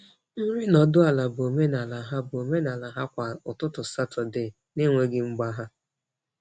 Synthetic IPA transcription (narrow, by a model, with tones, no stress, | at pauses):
n̩˦ɾɪ˦nɔ˨dʊ˦a˨la˨bo˨me˦na˨la˨ɦa˦bo˨me˦na˨la˨ɦa˦kʷa˨ʊ˨tʊ˦tʊ˨sa˦tɔ˨de˨ | nɪ˦ŋʷe˦ɡɪ˦ŋ͡m̩˦ɡ͡ba˦ɦa˦